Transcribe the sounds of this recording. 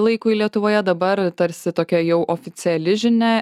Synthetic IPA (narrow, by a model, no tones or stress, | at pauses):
lˠɐɪkʊɪlʲiɛt̪ʊʋoːjɛd̪ɐbɐɾt̪ɐɾʲsʲɪt̪oːkʲɛjɛʊʔoːfʲɪt̪sʲɪɛlʲɪʒʲɪnʲɛ